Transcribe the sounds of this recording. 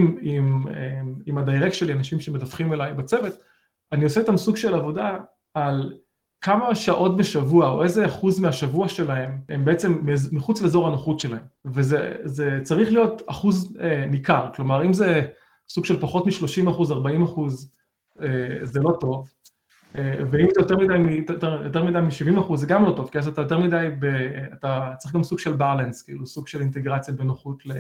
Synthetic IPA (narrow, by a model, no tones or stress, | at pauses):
mimeimadajʁekʃelianaʃimʃemedafχimelajbat͡seve̞t | anio̞seit̪amsuɡʃe̞lavo̞daː | l | kʰamaʃaʔo̞tbeʃavuao̞̰ʔezeaχuzmeaʃavuaʃe̞laɦe̞membeet͡se̞mːezmiχut͡sleːzo̞ʁanoχutʃe̞lahe̞mvezeze̞t͡saʁiχlijo̞taχuzemikaʁklo̞maʁimze | suɡ̥ʃe̞lpaχo̞tmiʃlo̞ʃimaχuzaʁbaimaχuz | eze̞lo̞to̞v | eveimzejo̞t̪eʁmidajmitajotejo̞t̪eʁmidajmiʃivimaχuzːeɡamlo̞to̞v̥kiazat̪ajot̬e̞ʁmidajbeatat͡saʁiχɡamsuɡ̥ʃe̞lbalenskiilusuɡʃe̞lint̪eɡʁat͡sjabe̞noχutle